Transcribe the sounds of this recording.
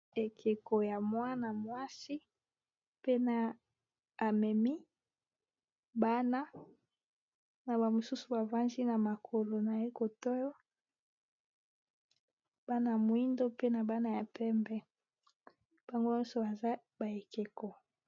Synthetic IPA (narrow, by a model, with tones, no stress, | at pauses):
e˨kʰe˨ko˨ja˨mwa˦na˨mwa˦si˦ | pe˦na˦ | a˨mɛ˨mi˦ | ba˦na˦ | na˨ba˨mo˨su˦su˨ba˨va˦nzi˦na˨ma˨kʰo˨lo˨na˨je˦ko˨to˦jo˦ | b̥a˦na˦ja˨mwi˦ndo˦pe˦na˨ba˦na˦˨ja˨pɛ˦mbɛ˦ | b̥a˨ŋɡo˦ɲɔ˦nso˨ba˨za˦ | ba˨e˨ke˨ko˨